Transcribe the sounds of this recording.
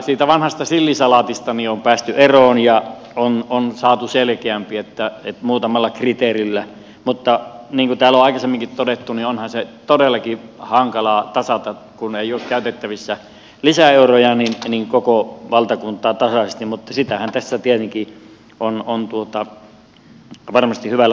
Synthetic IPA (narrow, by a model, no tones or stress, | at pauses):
siːt̪æʋɑnhɑst̪ɑsilːisɑlɑt̪ist̪ɑniompæːst̪yʔeroːnjɑ | ononsɑːt̪uselkeæmpiet̪ːæet̪muːt̪ɑmɑlːɑkrit̪eːrilːæ | mut̪ːɑniːŋkut̪æːloɑˑikɑsemːiŋkit̪t̪odet̪ːunionhɑnset̪odelːɑkihɑŋkɑlɑt̪ɑsɑt̪ɑ | kuneˑioːkkæˑyt̪et̪ːæʋisːæ | lisæeurojɑninniŋkokoʋɑlt̪ɑkunt̪ˑɑːt̪ɑsɑest̪immut̪ːɑsit̪æhænt̪æsːæt̪iet̪eŋki | ʔonont̪uot̪ɑ | ʋɑrmɑst̪ihyʋælːæ